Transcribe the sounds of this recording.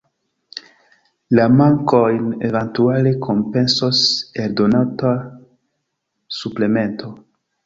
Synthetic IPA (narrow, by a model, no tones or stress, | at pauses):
lamaŋko̞jne̞vantualekʰo̞mpe̞nso̞se̞ldo̞nata | suple̞me̞ntʰo̞